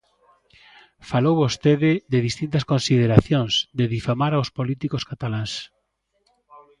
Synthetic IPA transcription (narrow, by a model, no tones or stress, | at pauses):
falowβost̪eðɪd̪eðist̪int̪ɐskonsiðeɾaθjõŋsd̪eðifamaɾawspolit̪ikoskat̪alãŋs